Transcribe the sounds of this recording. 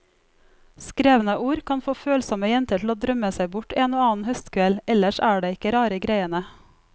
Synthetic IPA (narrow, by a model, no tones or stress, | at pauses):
skɾeːʋən̩əʔuːɾkʰɑnfoːføːlsɔməjɛnt̪əʈʰl̩oːd̪ɾœməsæɪbʊʈʰeːnoːɑːn̩hœst̪kʰʋɛlɛləʃæːɖeːɪkəɾɑːɾəɡɾæɪənə